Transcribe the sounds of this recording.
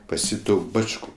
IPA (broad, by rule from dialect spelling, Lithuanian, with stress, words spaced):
pɐs ˈjiː ˈtuː ˈbɑːt͡ʃʲkʊ